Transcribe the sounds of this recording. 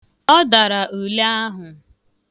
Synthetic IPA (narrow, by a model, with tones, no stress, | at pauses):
ɔ˦da˨ɾa˨ʔu˨la˦ɦʊ˨